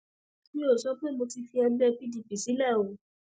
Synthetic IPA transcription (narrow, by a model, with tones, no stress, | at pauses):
nĩ˦o˦˨sɔ˦k͡pe˦mo˧ti˧fi˧ɛ˧bɛ˧pi˦di˨˧pi˨si˨˦lɛ˦˨o˨˦